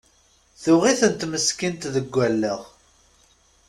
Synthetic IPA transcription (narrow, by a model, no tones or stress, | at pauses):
θʊʁiθənt̪məskint̪ðəɡʷːælːəʁ